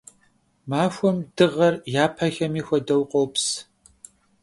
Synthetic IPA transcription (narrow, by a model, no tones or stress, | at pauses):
maːxʷɔmd̥ɨʁɐrjaːpʰɐxɐmiːxʷɐdɐwqʷʼowps